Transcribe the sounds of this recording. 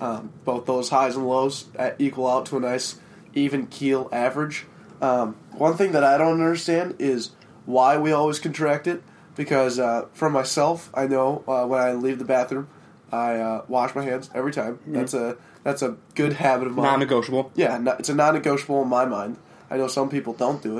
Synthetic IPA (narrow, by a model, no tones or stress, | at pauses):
ʔʌb̥oʊθðoʊz̥haɪzə̃nloʊzʔikwl̩ˠaʊtʰəənaɪs | ʔivɨ̃nkʰilˠævə˞ɨdd͡ʒ | ʔʌ̃mwʌ̃nθɪ̃ŋðɨɾaɪɾõʊ̃ntʌ̃ndə˞stæ̃ndɪz | waɪwiɔlˠwiz̥kntʰɹ̥æk̚tɨt̚ | b̥ɨkʰʌzʌfɹʌ̃mːaɪsɛlˠfa̰ɪnoʊʌwə̃naɪlivðɨbæθɹʉ̃m | aɪʌwɑʃmaɪɦæ̃nzɛvɹitʰãɪ̃mðætsɨ | ðætsɨɡ̥ʊd̚hæbɨɾʌvmãnɨɡoʊʃəbl̩ˠjænɨtsɨnɑ̃nːɨɡoʊʃəbl̩ˠə̃nmaɪmãɪ̃nd̥ | aɪnoʊsʌ̃mpipl̩ˠdõʊ̃nd̥ɨɪt̚